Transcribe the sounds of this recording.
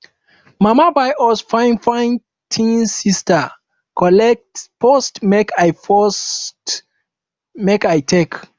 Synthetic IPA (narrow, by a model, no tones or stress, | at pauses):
mamabajʔɔsfãɪ̃nfãɪn | tʰĩnsista | kʰɔlɛk̚tpɔstmekʰajfɔst | mekajtʰek